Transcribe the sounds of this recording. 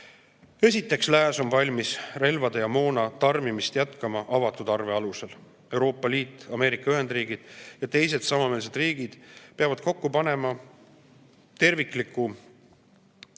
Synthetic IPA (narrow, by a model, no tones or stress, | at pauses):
e̞sit̪ːˑe̞kslæːso̞nvɑlʲmisre̞lvɑd̪̥ejɑmo̞ːnɑt̪ɑrmimist̪jæt̪kɑmɑʔɑvɑt̪ːˑud̪̥ɑrve̞ɑluse̞l | e̞wɾo̞ːpːˑɑliːt̪ːˑɑme̞ːɾikːˑɑyɦe̞nd̪̥riːɡ̥id̪̥jɑt̪e̞js̬e̞d̪̥sɑmɑme̞ːlse̞d̪riːɡ̥id̪̥peɑvɑd̪̥ko̞kːupɑne̞mɑ | t̪e̞rvikˑlikːˑu